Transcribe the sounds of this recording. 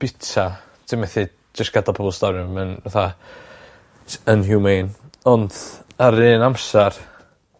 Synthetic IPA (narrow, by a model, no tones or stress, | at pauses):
b̥ɪtʰa | tʰɪmɛθi | d͡ʒɪsɡ̥adapʰɔlˠstɔɾjʊmənvaθa | ənhjumejnɔndaɾɨːnamsar